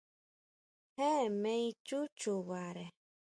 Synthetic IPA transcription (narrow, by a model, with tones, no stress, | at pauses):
he˦mẽ˦i˦t͡ʃu˦t͡ʃu˨βa˨ɾe˨